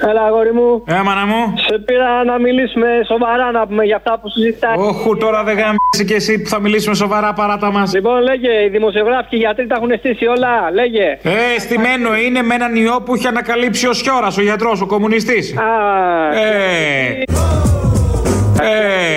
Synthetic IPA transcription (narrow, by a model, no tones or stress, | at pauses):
ɐlɐɣoɾimuemɐnɐmusepiɾɐnɐmilisume̞so̞vɐɾɐnɐpumeʝɐːft̪ɐpusizitt̪ɐoxut̪o̞ɾɐðeɣɐmsice̞sipuθɐmilisume̞so̞vɐɾɐpɐɾɐt̪ɐmɐslipo̞nleʝeiðimo̞sio̞ɣɾɐficiʝɐt̪ɾit̪ɐɐxune̞st̪isio̞lɐleʝeest̪ime̞no̞ine̞me̞nɐnio̞puiçeɐnɐkɐlipsio̞sço̞ɾɐsoʝɐt̪ɾo̞so̞ko̞munist̪isɐ | e | e